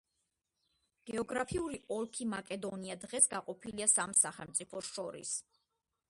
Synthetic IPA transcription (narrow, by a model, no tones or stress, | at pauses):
ɡ̥ɛɔɡɾapʰiuɾiʔɔlˠkʰimakʼɛd̪ɔniad̪ʁɛsɡaqʼɔpʰiliasamsaχɛlˠmt̪sʼipʰɔsʃɔɾḭs